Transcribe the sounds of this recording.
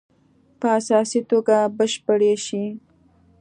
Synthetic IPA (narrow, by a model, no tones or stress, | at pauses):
pəasɑsit̪oɡabəʃpəɽeʃi